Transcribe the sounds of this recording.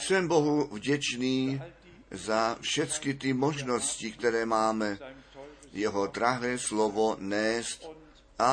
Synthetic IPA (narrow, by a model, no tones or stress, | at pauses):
sɛmboɦuvɟɛt͡ʃniː | zafʃɛt͡skɪt̪ɪmoʒnoscɪkt̪ɛɾɛːmaːmɛ | jɛɦod̪ɾaɦɛːslovonɛːst̪ | ʔa